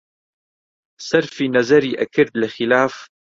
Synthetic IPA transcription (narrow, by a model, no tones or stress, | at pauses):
sɑɾˤfinazaɾiːʔa̰kɪd̪lɪxɪlaːf